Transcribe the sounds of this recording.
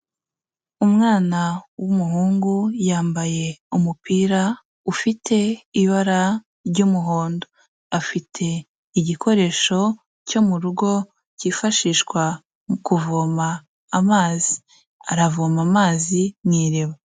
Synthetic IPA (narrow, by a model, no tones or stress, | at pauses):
umŋaːnawumuɦuːŋɡujaːmbaje̞umupiːɾa | ufitʰe̞iβaɾa | ɾɟumuɦoːndo | afitʰe̞ | iɟikʰo̞ɾe̞ːʃo̞ | co̞muɾuɡo̞ | ciːfaʃiːʃkwa | kuvoːmaː | maːzi̥ | a̰ɾavomamaːzimŋiːɾeβa